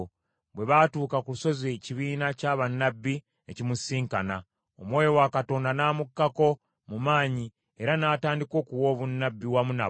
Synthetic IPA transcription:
βwe̞βatuːkakuluso̞zeciβiːnacaːβanːabːi | ecimusiːŋkana̰ | omwoːjo̞wakato̞ːndanamukːako̞ | mumaːɲi | e̞ɾanaːtaːndiko̞ːkuwo̞ːβunːabːiwamuna̰

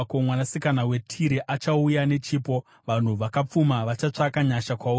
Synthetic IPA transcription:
komwanasikanawe̞tʰiɾiʔat͡ʃaujane̞t͡ʃiːpo̞ | ʋan̤uʋakap͡fumaʋat͡ʃat͡ʂakaɲaʃakwau

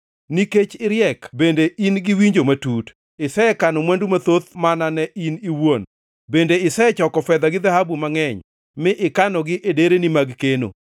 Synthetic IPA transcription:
niket͡ʃɪɾjɛkbendeʔinɡɪwiɲd͡ʒomatut | ɪsɛɛkanɔmwɛndumat̪ot̪mananɛʔiniwon | bendeɪsɛɛt͡ʃɔkɔfɛd̪aɡɪd̪ahabumaŋɛɲ | mɪʔɪkanɔɡɪʔedeɾenimaɡkeno̰

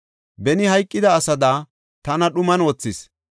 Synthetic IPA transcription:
bɛnɪhɐjkʼːɪd̪ɐːsɐd̪aː | t̪ɐnɐɗʊmɐnwoːt͡sːɪs

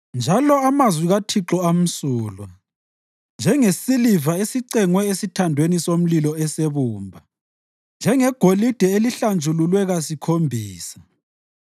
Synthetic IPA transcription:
nd͡ʒʱalɔamazwiɣatʰiǁɔam̩suːlwa | nd͡ʒʱɛŋesilivaesiǀɛŋwɛesitʰandʱwenisom̩lilɔɛseβuːmbʱa | nd͡ʒʱɛŋɛɡ̥ʱolid̥ʱɛeliɬand͡ʒʱululwɛɣasikʰombʱiːsḁ

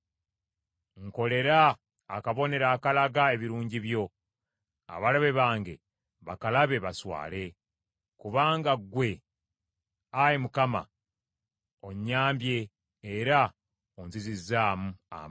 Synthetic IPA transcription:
ŋko̞le̞ɾaː | kaβo̞ne̞ɾaːkalaɡae̞βiɾuːɲɟiβjo̞ | a̰βalaβe̞βaːŋɡe̞̰ | βa̰kalaβe̞βaswa̰ːle̞ | kuβaːŋɡaɡwe̞ | ajemukama̰ | o̞ɲːaːmbje̞ː | ɾa | onzizizaːmua̰m

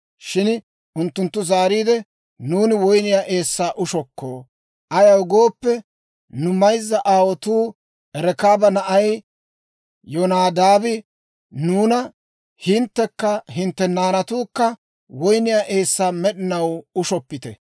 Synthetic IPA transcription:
ʃɪn | ʔʊnt̪ːʊnt̪ːʊzaːɾiːd̪ɛ | nuːnɪwɔjnɪjaːʔe̞ːsːaːʔʊʃɔkːo̰ː | ʔɐjɐwɡo̞ːpːɛ | nʊmɐjzːɐʔaːwɔt̪uː | ɛɾɛkaːbɐnɐʔɐj | jɔnaːd̪aːbɪ | nuːnɐ | hɪnt̪ːɛkːɐɦɪnt̪ːɛnaːnɐt̪uːkːɐ | wɔjnɪjaːʔe̞ːsːaːmɛɗɪnɐwʊʃɔpːɪt̪ɛ̰

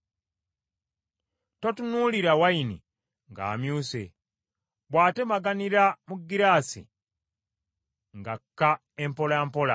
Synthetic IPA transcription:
to̞tunuːliɾawainḭ | ŋɡa̰ːmjuːsḛ | βwaːte̞maɡaniɾamuɡːiɾaːsḭ | ŋɡakːa | empo̞lampo̞la̰

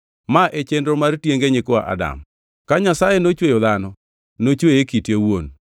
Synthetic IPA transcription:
maʔet͡ʃendɾomartjeŋɡeɲɪkɔa̰ʔa̰da̰m | kaɲasajenot͡ʃwejɔðanɔ | not͡ʃwejekitjewon

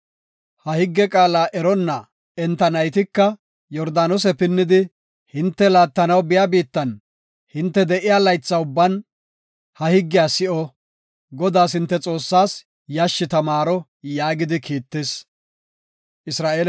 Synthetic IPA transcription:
hɐhɪɡːɛkʼaːlaːʔɛɾɔnːɐ | ɛnt̪ːɐnɐjt̪ɪkːɐ | jɔɾd̪aːnɔs̬ɛpɪnːɪd̪ɪ | hɪnt̪ːɛlaːt̪ːɐnɐwbɪjaːbiːt̪ːɐn | hɪnt̪ːɛd̪ɛʔɪjaːlɐjt͡sːɐʊbːɐn | hɐhɪɡːɪjaːsɪʔɔ | ɡɔd̪aːshɪnt̪ːɛt͡sʼo̞ːsːaːs | jaʃːɪt̪ɐmaːɾɔ | jaːɡɪd̪ɪkiːt̪ːɪs | ʔɪsɾaːʔeːl

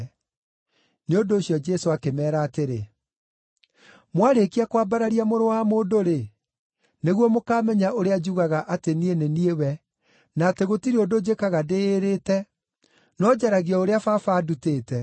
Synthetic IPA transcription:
neondoːɕjɔd͡ʒɛsoakemɛːɾaːteɾe | mwaɾekiakwaːbaɾaɾiamoɾowamoːndoɾe | neɣwɔmokaːmɛɲaʔoɾead͡ʒuɣaɣaʔatenieneniewɛ | naːteɣotiɾeodod͡ʒekaɣadeːɾetɛ | nɔd͡ʑaɾaɣiɔoɾeafafaːduteːtɛ

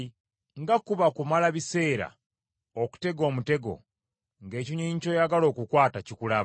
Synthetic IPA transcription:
ŋɡakuβakumalaβise̞ːɾa̰ | oku̥te̞ɡo̞ːmute̞ɡo̞̰ | ŋɡe̞ːciɲiɲico̞jaɡalo̞ːkukwaːtacikulaβ

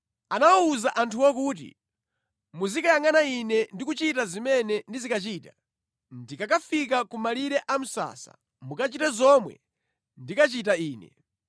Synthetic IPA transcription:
anawɔuzaʔantʰuwɔk̬uːt̬ḭ | muzikajaŋanainɛndikut͡ʃitazimɛnɛndizikat͡ʃiːta | ndikakafik̬akumaliɾɛʔam̩sa̰sa̰ | mukat͡ʃitɛzɔmwɛ̰ | ndikat͡ʃitaiːnɛ̰

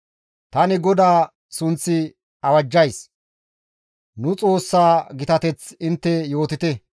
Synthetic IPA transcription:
t̪ɐnɪɡɔd̪aː | sʊnt͡sːɪ | ɐwɐd͡ʒːɐjs | nʊt͡sʼo̞ːsːaːɡɪt̪ɐt̪ɛt͡sɪnt̪ːɛjo̞ːt̪ɪt̪ɛ

